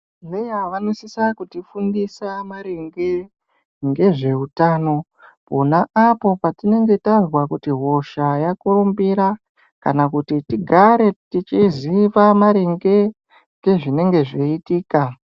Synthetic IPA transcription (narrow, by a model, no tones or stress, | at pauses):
nejaʋanosisakutifundisamaɾeŋɡe̞ | ŋɡe̞ʐe̞utaːno̞ | ponaʔapo̞patine̞ŋɡe̞tazwakutiɦo̞ʃajakuɾumbiɾa | kanakutitiɡʱaɾe̞tit͡ʃiziʋamaɾeŋɡe̞ | ŋɡe̞ʐine̞ŋɡe̞ʐeitiːka